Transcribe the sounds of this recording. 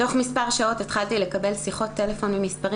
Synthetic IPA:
o̞χmispaʁʃao̞tetχaltile̞kabe̞lsiχo̞t̪ːe̞le̞fo̞nmimispaʁi

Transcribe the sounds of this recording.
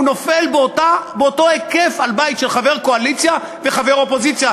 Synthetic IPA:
no̞felbtabeoto̞ekefalbajitʃelχave̞ʁko̞alit͡sja | veχave̞ʁo̞po̞zit͡sja

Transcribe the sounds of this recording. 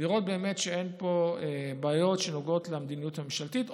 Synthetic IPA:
liʁo̞t̪̚be̞ːme̞tʃeenpo̞ebaːjo̞tʃenoɡo̞t̪lemd̪inijuthameʃalt̪it

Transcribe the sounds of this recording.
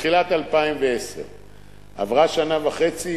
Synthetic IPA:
χilat̪alpaimveesḛʁ | a̰vʁaʃanavaχe̞t͡si

